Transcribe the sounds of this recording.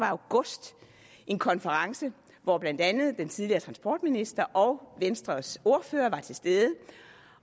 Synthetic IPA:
ʋɑ̈ɑʊɡ̥ɔ̽sd̥ | ʔe̝nkʰɒ̽nfəʁɑ̈ŋsə | ʋɒb̥læn̰d̥ænð̞̩ˠd̥ent͡sʰið̞ˠliɐːt͡sʰʁɑ̈nsb̥ɒ̰ːd̥minisd̥ɐʔɒ̽ʊʋensd̥ʁɐso̝ɐføːɐʋɑ̈t͡sʰe̝lsd̥eðˠə

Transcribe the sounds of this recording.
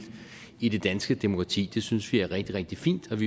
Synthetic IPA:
id̥e̝d̥ænsɡ̥əd̥emo̝kʰɑ̈t͡sʰḭːd̥e̝synsʋiæɐʁeɡ̥̚d̥iʁeɡ̥̚d̥ifḭːnd̥ɒ̽ʋi

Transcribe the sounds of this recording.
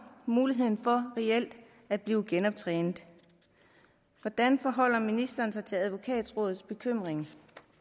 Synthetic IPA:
muːliɦe̝ð̞̰ˠn̩fɒ̽ʁɛel̰d̥ | æd̥̚b̥liːʊɡ̥enɒ̽b̥̚t͡sʰʁɛ̰ːnð̩ˠ | ʋɒd̥ænfɒ̽ɦɒ̽l̰ɐminisd̥ɐːn̩sɑ̈ɪt͡sʰe̝læð̞ˠʋo̝kʰɛ̰ːd̥sʁɔ̽ːð̩ˠsb̥e̝kʰøm̰ʁeŋ

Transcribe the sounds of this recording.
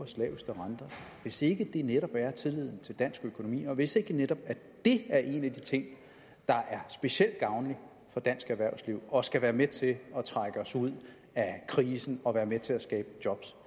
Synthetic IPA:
ɐslɛːʊsd̥ʁɑnd̥ɐʋe̝se̝ɡ̥əd̥e̝neɾ̥ɒ̽b̥æɐt͡sʰe̝lið̞̰ˠn̩t͡sʰe̝ld̥æn̰sɡ̥økʰo̝no̝mḭːɒ̽ʋe̝se̝ɡ̥əneɾ̥ɒ̽b̥æ | d̥e̝æɐʔe̝næd̥it͡sʰe̝ŋ̰ | d̥ɑ̈ʔæɐsb̥e̝ɕel̰d̥̚ɡ̥ɑ̈ʊnli | fɒ̽d̥æn̰sɡ̥æʋæɐsliʊ̰ɒ̽sɡ̥æʋæːɐmet͡sʰe̝ɒ̽t͡sʰʁɑ̈ɡ̥əɒ̽suð̞̰ˠ | ækʰʁiːsn̩ɒ̽ʋæːɐmet͡sʰe̝læsɡ̥ɛːb̥əd̥jɒ̽b̥s

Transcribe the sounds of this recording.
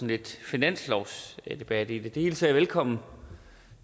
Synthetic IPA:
n̩e̝d̥finæn̰slɒʊsd̥e̝b̥æd̥id̥e̝d̥e̝he̝ːlt͡sʰeɐʋelkʰɒ̽m̰n̩

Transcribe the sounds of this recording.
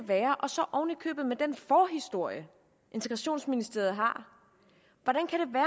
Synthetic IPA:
ʋæːɐʔɒ̽sɒ̽ʔɒʊnəkʰø̰ːb̥ð̩ˠmed̥enfɒːɦisd̥o̝ɐ̰jə | ʔe̝nt͡sʰeɡ̥ʁɑɕo̝̰ːnsminisd̥e̝̰ɐð̩ˠɦɑ̈ | ʋɒɾænkʰæɾ̥e̝ʋæː

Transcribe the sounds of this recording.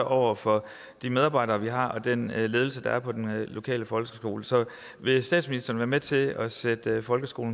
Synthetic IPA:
ʔɒʊ̰ɐfɒ̽ | d̥imeð̞ˠɑ̈ːb̥ɑ̈ɪ̰d̥ɐːʋiɦɑ̈ɒ̽d̥enle̝ːð̞ˠl̩səd̥ɑ̈æɐpʰɒ̽d̥enlo̝kʰɛ̰ːləfɒ̽lɡə̥əsɡ̥o̝ːləsɒ̽ | ʋe̝sd̥ɛ̰ːd̥sminisd̥ɐːn̩ʋæːɐmet͡sʰe̝ɒ̽sed̥fɒ̽lɡ̥əsɡ̥o̝ːln̩

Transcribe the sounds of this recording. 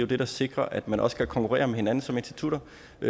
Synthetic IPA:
jod̥e̝d̥ɑ̈se̝ɡ̥ʁɐʔæd̥mænɒ̽sə̥kʰækʰɒ̽ŋkʰuʁɛ̰ːɐmehe̝næn̩sɒ̽me̝nsd̥i̥t͡sʰuɾ̥ɐ

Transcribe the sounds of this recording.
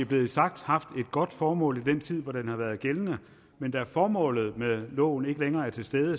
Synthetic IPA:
iæɐb̥le̝ːð̩ˠsɑ̈ɡ̥̚d̥hɑ̈fd̥e̝d̥̚ɡ̥ɒ̽d̥fɒːmɔ̰̽ːlid̥en̰t͡sʰið̰ˠʋɒd̥enhɑ̈ʋæːɐð̩ˠɡ̥elənə | mend̥ɑ̈æɐfɒːmɔ̰̽ːlð̞̩ˠmelɔ̰ʊn̩e̝ɡəleŋɐːæɐt͡sʰe̝lsd̥eːðˠə

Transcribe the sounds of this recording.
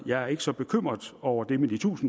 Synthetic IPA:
jɑ̈ɪæɐe̝ɡ̥əsɒ̽b̥e̝kʰøm̰ʁɐðˠɒʊ̰ɐd̥e̝med̥it͡sʰṵːsn̩

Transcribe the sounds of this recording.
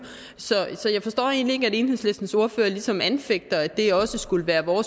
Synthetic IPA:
sɒ̽sɒ̽jɑ̈ɪfɒ̽sd̥ɒ̰ːe̝̰ːnlie̝ɡ̥əæɾe̝ːnheð̰ˠsle̝sd̥n̩so̝ɐføːɐlisɒ̽mænfeɡ̥̚d̥ɐæd̥e̝ɒ̽səsɡ̥uləʋæːɐʋɒːs

